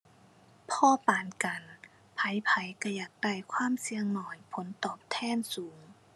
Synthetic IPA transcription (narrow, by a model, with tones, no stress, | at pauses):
pʰɔː˧˥˨paː˨˩nka˨˩n | pʰa˨˦jpʰa˨˦jka˧˩jaː˨˩k̚da˧˩jkʰwaː˧˥˨msi˧əŋnɔː˨˩jpʰo˨˦nt̪ɔː˨˩p̚t̪ʰɛː˧˥˨nsuː˩˦ŋ